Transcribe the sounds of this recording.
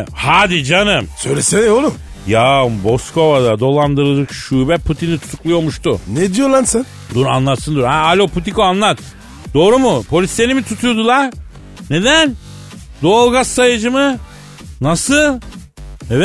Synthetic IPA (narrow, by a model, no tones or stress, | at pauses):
haːd̪id͡ʒanɯmsøjlʲesenolˠum | jabo̞sko̞vad̪ad̪o̞lˠand̪ɯɾɯd͡ʒɯkʃuːbɛpʰut̪ʰinit̪ʰu̥t̪ʰu̥klˠujo̞ɾmuʃt̪uned̪ijolˠansan | d̪uɾa̰nlˠat̪sɯnd̪uɾhaalʲopʰut̪ikoanlˠat̪̚ | d̪̥o̞ːɾumupʰo̞lʲisenʲimit̪ʰut̪ʰujod̪ulˠaɾ | ne̞d̪æn | d̪olˠɡasːajɯd͡ʒɯmɯ | nasɯl | evɛ